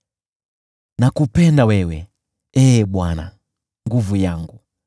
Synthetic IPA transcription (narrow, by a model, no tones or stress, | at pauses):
nakupɛndawɛwɛ̰ | ɛːɓwana̰ | ŋɡuvujaŋɡu